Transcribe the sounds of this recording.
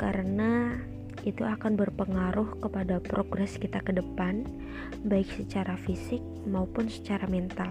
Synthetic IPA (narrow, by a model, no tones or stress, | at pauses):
kaɾəna | it̪uakanbərpəŋaɾʊhkəpadapɾoɡɾɛskit̪akədəpan | baɪk̚sət͡ʃaɾafisɪk̚maupʊnsə̥t͡ʃaɾamɛnt̪al